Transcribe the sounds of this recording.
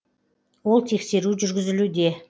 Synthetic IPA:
wo̞lˠt̪ʰe̞kse̞ɾuʒʏɾɡʲɪzɪlud̪e̞

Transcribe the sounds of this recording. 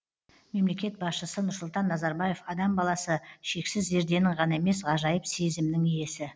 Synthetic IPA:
me̞mle̞kʲe̞t̪̚bɑsʃəsənʊɾsʊlˠt̪ɑnːɑzɑɾbɑje̞fɑd̪ɑmbɑlˠɑsəʃe̞ksɪzʒe̞ɾd̪e̞nɪɴʁɑnɑe̞me̞sʁɑʒɑjəpse̞zɪmnɪŋije̞sɪ

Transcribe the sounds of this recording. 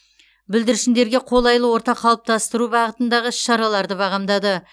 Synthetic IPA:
bɪld̪ɪɾɪʃɪnd̪e̞ɾɡʲe̞qʰo̞lˠɑjlˠəwo̞ɾt̪ɑqʰːɑlˠəp̚t̪ʰɑst̪əɾubɑʁət̪ənd̪ɑʁəʃɑɾɑlˠɑɾd̪əbɑʁɑmd̪ɑd̪ə

